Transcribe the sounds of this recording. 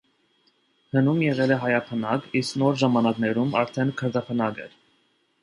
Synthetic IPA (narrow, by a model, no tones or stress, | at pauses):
hənumjɛʁɛlɛɦɑjɑpʰənɑɡisknɔɾʒɑmɑnɑknɛɾumɑɾt̪ʰɛnkʰəɾd̪ɑpʰənɑɡɛ̰ɾ